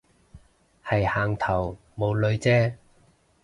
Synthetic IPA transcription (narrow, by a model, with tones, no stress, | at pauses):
hɐ˨jhaː˨˩ŋt̪ʰɐ˨˩w | mo˨˧wlɵ˨˧ɥt͡sɛː˥